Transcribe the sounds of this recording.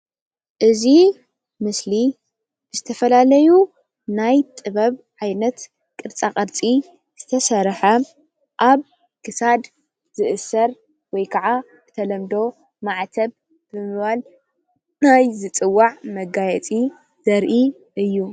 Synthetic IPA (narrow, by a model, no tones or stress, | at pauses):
ʔɨzi | mɨsli | bɨzɨt̪ʰɐfɐlalɐju | najt̪ʼɨβɐβʕajnɐt̪ | kʼɨɾt͡sʼaχʼɐɾt͡sʼi | z̥ɨt̪ʰɐsɐɾħɐ | ʔaβ | kʰɨsad̪ | z̥ɨʔɨsɐɾ | wɔjkʰɐʕa | kʰɨ̥t̪ʰɐlɐmd̪o̞ | maʕt̪ʰɐβ | b̥ɨmɨβal | najzɨt͡sʼɨwːaʕmɐɡajɛt͡sʼi | d̥ɐɾʔi | ʔɨjːu